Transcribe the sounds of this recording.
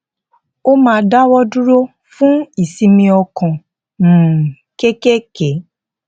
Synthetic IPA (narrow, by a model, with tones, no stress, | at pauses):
o˦mãː˧da˦wɔ˦dũ˦ɾo˦ | fũ˦i˨sĩ˧mĩ˧ɔ˧kɔ̃˨ | m̩˨ | ke˦ke˦kɛ˨˦